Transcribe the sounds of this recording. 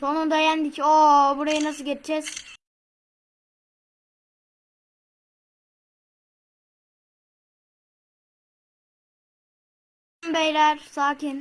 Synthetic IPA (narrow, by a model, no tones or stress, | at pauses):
onund̪ejænd̪icobuɾajɯnasɯɟet͡ʃd͡ʒɛz̥ | mbɛjlæɾsaːcin